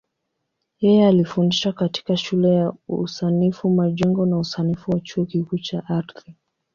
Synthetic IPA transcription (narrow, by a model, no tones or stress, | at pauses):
jɛjɛalifundiʃakati̥kaʃulɛjauusanifumaʄɛŋɡɔnausanifuwat͡ʃuɔkikuːt͡ʃaʔaɾθi